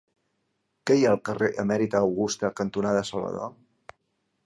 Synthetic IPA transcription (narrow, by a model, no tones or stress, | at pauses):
kɛjaəlˠkəreʔəmɛɾit̪əːwɣust̪əkənt̪unaðəsəlβə̰ðo̰